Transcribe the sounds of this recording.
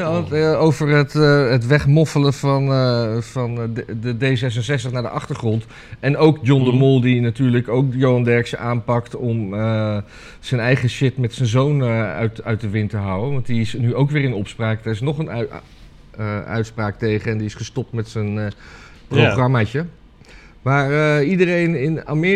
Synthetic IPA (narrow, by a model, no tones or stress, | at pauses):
aowvərətɦətʋɛχmɔfələvɑnfɑndədejzɛs̬ənsɛstəχnaːɹdə̰ʔɑχtəɹχrɔnt | ɛnowkd͡ʒɔndəmʊlˠdinatyːɹləkowk̚jowɑndɛɹksaːnpɑktɔmə | z̥ənɛjχəʃɪtmɛtsənzownəœ̰ɥtœɥt̚əʋɪntəɦawənʋɑntdiɪsnyowkʋɪːrɪnɔpspraːkdɛɹɪsnɔχən | œ̰ɥtspraːktejχəɛndiɪsχəstɔp̚tmɛtsən | prowχrɑmaːt͡ʃə | ʋaːɹəidərejnɪna̰mɪ